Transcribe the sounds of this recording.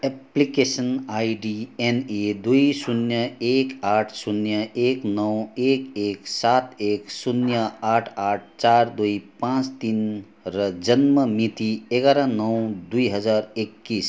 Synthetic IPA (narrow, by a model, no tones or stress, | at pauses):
eplikesənajɖiened̪ujsunjəekaʈʰsunjəeknʌwekeksat̪eksunjəaʈʰaʈ̚ʰt͡ʃaɾd̪uipãt͡ʃt̪in | ɾʌd͡ʒənməmit̪ieɡaɾanəwd̪uiɦəd͡zaɾekːis